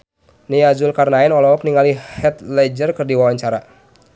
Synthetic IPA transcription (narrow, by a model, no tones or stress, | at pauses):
niad͡ʒʊlkarnaɛnɔlɔɔkniŋalihɛt̪lɛd͡ʒərkərdiwawaɲt͡ʃaɾa